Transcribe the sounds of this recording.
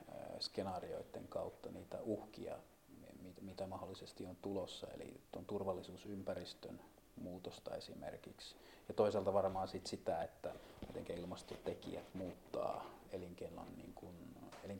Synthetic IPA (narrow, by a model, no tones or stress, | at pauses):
skenɑːrio̰it̪ːḛŋkɑut̪ːɑniːt̪æ̰uhkḭɑ̰ | mimit̪æmɑholːisest̪iont̪ulosːɑ̰ḛlḭt̪ont̪urʋɑlːisuːsympærist̪ø̰n | muːt̪ost̪ɑesimḛrkiks | jɑt̪oiselt̪ɑʋɑrmɑːnsit̪sit̪æet̪ːæmit̪eŋkæilmɑst̪ot̪ekḭæt̪muːt̪ːɑ̰ː | eliŋkelːɑ̰nnḭːŋkuneliŋ